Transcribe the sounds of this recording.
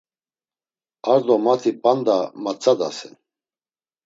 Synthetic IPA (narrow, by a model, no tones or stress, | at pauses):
aɾd̪ɔmat̪ʰipʼand̪amat͡sʰʼad̪a̰sɛn